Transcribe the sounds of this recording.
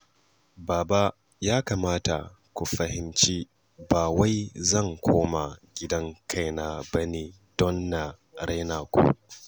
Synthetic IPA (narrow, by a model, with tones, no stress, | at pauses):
baː˨ba˦ | jaː˦kaː˨maː˦ta̰˨ | kʷu˨ɸɐ˨hɪ˦mt͡ʃi˦ | baː˨wa˦jzɐ˦˨ŋkʷʰoː˦ma˨ɡʲɪ˦dɐ˦ŋkʰa˦˨jna˨bɐ˦neː˨ | d̥ɔ˦nːa˨ | ɽa˦naː˨kʷṵ˦˨